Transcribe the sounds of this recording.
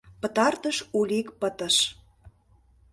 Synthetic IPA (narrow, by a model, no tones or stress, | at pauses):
pə̆t̪ɑrt̪əʃulʲikpət̪ə̆ʃ